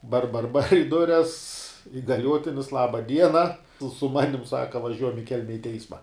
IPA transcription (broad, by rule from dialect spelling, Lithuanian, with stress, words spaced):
bɐr bɐr bɐr ɪ ˈdʊrʲɛs ɪɡɐˈlʲuɔtʲɪnʲɪs ˈlˠɑːbɐ ˈdʲiɛnɐ sʊ ˈmɑːnʲɪm ˈsɑːkɐ ʋɐˈʒʲuɔjɛm ɪ ˈkʲɛlʲmʲɛ ɪ ˈtʲɛɪsmɐ